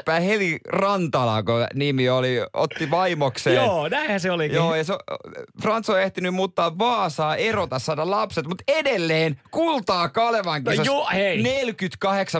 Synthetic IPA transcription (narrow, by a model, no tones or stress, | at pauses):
pæːhelirɑnt̪ɑlɑ̰konimiolio̰t̪ːiʋɑimokseːoːnæĩhæseolikjoːeisofrɑnt̪soeht̪inymmuːt̪ːɑːʋʋɑːsɑːerot̪ɑssɑːdɑlɑpset̪mut̪edelːeːnkult̪ɑːkɑleʋɑŋkisheinelkyt̪kɑheksɑ